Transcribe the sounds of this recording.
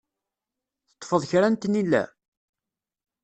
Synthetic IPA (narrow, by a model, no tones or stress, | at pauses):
θə̥t̪ˤːfəðˤçɾænt̪nilːæ̰